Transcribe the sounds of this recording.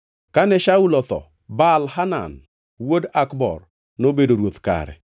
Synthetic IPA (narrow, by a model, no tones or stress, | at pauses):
kanɛʃaulɔt̪ɔ̰ | balhana̰n | wodakbɔ̰r | nobedoɾwot̪ka̰ɾɛ̰